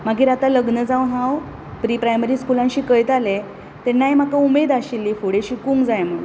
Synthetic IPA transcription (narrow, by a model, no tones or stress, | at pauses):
m̤aɡiːɾat̪aləɡnəd͡zawnɦaw | pɾipɾajməɾiːskulãnɕiːkəjt̪ale | t̪enːajm̤akaumed̪aɕilːiːfoɽeɕiːkuŋɡd͡zajm̤əɽṵn